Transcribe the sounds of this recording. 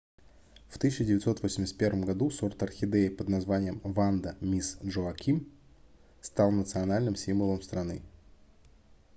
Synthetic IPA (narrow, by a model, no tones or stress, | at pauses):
ft̪ɨɕʲːɪdʲɪvʲɪt̪so̞t̪vosʲmʲɪsʲt̪̚pʲervəmɡɐd̪usort̪ɐrxʲɪd̪ejpəd̪nɐzvanʲɪjəmvand̪əmʲisʐoɐkʲim | st̪ɑlˠnət̪sɨɐnalʲnɨmsʲimvəlˠəmst̪ɾɐnɨ̰